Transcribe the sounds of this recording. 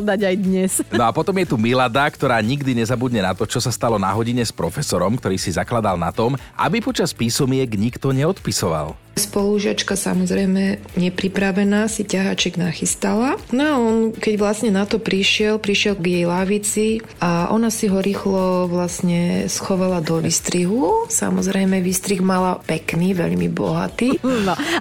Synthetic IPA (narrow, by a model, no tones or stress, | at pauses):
d̪aɟajd̪ɲɛsnɔapɔt̪ɔmjɛt̪umilad̪akt̪ɔɾaːɲiɡd̪iɲɛzabud̪ɲɛnat̪ɔt͡ʃɔsast̪alɔna̰ɦɔɟiɲɛspɾɔfɛsɔɾɔmkt̪ɔɾiːsizaklad̪alna̰t̪ɔmʔa̰bipɔt͡ʃaspiːsɔmɪɛɡɲikt̪ɔɲɛɔt̪pisɔʋa̰l | spɔluʒɪat͡ʃkasa̰mɔzɾɛjmɛ | ɲɛpɾipɾaʋɛnaːsicaɦat͡ʃɛɡnaxist̪alanaɔnkɛɟʋlasɲɛnat̪ɔpɾiʃɪɛlpɾiʃɪɛlɡjɛjlaːʋit͡si | aʔɔ̰nasiɦɔɾiːxlɔʋlasɲɛsxɔʋalad̪ɔʋist̪ɾiɦusa̰mɔzɾɛjmɛʋist̪ɾiɣmalapɛkniːʋɛ̰ʎmḭbɔ̰ɦa̰t̪iː